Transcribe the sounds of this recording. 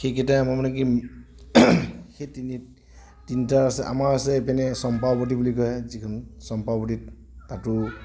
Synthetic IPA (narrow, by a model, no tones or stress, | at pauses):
xekʰɛtaamamanaki | xetini | tinitaɹasɛʔa̰maɹasɛpɛnɛsɔmpawpɔt̬ibulikɔjɛzikʰɯnsɔmpawpɔtit | tatʊ